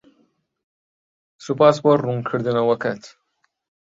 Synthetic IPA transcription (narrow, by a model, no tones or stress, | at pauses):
supaːsboɾruŋkʰɨɾd̪ɨnɐwɐkɐt̪